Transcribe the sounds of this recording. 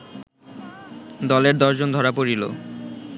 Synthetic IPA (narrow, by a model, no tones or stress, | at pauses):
d̪ɔleɾd̪ɔʃd͡ʑond̪ʱɔɾapoɾilo̰